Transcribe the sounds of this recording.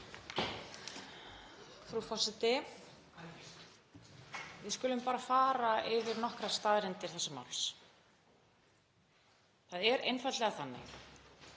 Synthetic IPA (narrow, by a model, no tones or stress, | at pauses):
fɾufɔsɛt̪ɪ | vɪðskʏːlʏmpaːɾafaːɾaɪvɪɾnɔhkɾast̪aːðɾɪnt̪ɪɾ̥θɛsɪma̰wls | θaðɛɾejnfajt̪lɛɣaθanːɪ̰